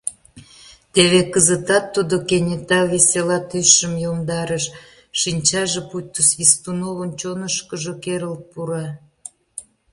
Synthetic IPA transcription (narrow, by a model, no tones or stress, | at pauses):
t̪eβekəzət̪ɑt̪ːud̪okenʲet̪ɑβeselɑt̪yəmjomd̪ɑɾəʃ | ʃinʲt͡ɕɑʒeput̪ːəsβist̪unoβənt͡ɕonəʃkəʒokeɾəlt̪̚puɾɑ